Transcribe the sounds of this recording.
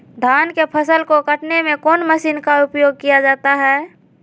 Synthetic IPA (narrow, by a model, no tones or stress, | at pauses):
d̪ʱaːnkepʰəsəlkokəʈnemẽkɔːnməsiːnkaʊpjoːɡ̚kijad͡ʒaːt̪aɦɛː